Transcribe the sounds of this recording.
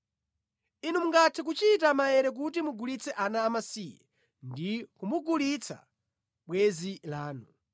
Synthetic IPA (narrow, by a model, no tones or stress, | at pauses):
inumuŋɡatʰɛk̬ut͡ʃitamajɛɾɛk̬utimuɡulit͡sʰɛʔanaːmasiːjɛ̰ | ndikumuɡulit͡sʰa̰ | ɓwɛzilaːnu